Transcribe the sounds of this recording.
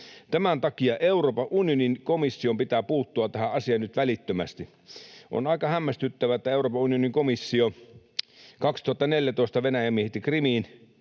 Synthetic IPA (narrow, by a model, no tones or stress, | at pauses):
t̪æmænt̪ɑkiɑʔeuroːpɑʔʔunioninkomisːiompit̪æːpuːt̪ːuɑt̪æhæɑsiɑnnyt̪ʋælit̪ːømæst̪i | ʔo̰nɑˑikɑhæmːæst̪yt̪ːæʋæet̪ːæeˑuroːpɑunioniŋkomisːio | kɑkst̪uhɑt̪ːɑneljæt̪oˑest̪ɑʋenæjæmːiehet̪ːikrimiːn